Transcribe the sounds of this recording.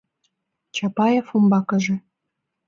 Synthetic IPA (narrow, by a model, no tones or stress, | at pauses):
t͡ɕɑpɑjefumbɑkɤ̆ʒĕ